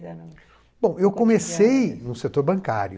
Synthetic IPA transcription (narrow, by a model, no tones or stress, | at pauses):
b̥õw̃ewkõmesejnʊset̪oɾbɐ̃ka̰ɾjʊ